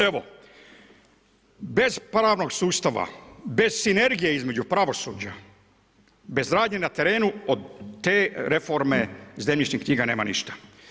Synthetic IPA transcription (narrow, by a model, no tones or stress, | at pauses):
e̞ʋo̞̰ | be̞zpɾaːʋno̞ɡsuːst̪aʋa̰be̞z̥sine̞ɾɡijeizme̞d͡ʑupɾaʋo̞sṵːd͡ʑa | be̞zɾaːd̪ɲenat̪e̞ɾe̞ːnuod̪t̪ːe̞ːɾe̞fo̞ɾme̞zemɲit͡ʃnixkɲiːɡane̞ːmanḭʃt̪ḁ